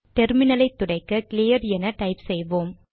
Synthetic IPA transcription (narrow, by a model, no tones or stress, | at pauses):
ʈɛɾmɪnɐlɐɪt̪ːʊɽɐɪkːɐkɪlɪjɐɾɛnɐʈɐɪpsɛjʋoːm